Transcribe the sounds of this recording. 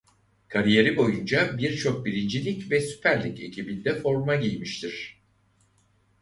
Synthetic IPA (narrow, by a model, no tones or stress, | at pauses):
kʰaɾije̞ɾibo̞jund͡ʒabiɾt͡ʃʰo̞k̚biɾind͡ʒilʲicvɛsy̥pʰæɾlʲice̞̰cʰibind̪ɛfo̞ɾmaɟijmiʃt̪ʰiɾ̥